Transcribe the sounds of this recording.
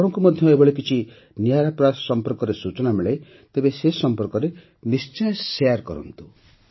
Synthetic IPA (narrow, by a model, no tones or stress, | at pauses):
ɔɾɔŋkumɔd̪ʱjɔebɔɭek̬it͡ʃʰi | nijaɾapɾasɔmpɔɾkɔɾesut͡ʃɔnamiɭej | t̪ebesesɔmpɔɾkɔɾe | nist͡ʃɔjsejaɾkɔ̰ɾɔ̰nt̪u